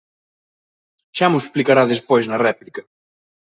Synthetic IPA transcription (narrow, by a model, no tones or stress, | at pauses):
ʃamʊsplikaɾaðespojznɐrɛplikɐ